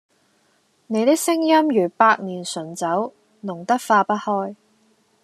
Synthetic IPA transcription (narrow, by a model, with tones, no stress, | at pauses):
ne˨˧jt̪ɪ˥k̚sɪ˥ŋjɐ˥mjyː˨˩paː˧k̚niː˨˩nsɵ˨˩nt͡sɐ˨˥w | nʊ˨˩ŋt̪ɐ˥k̚faː˧pɐ˥t̚hɔː˥j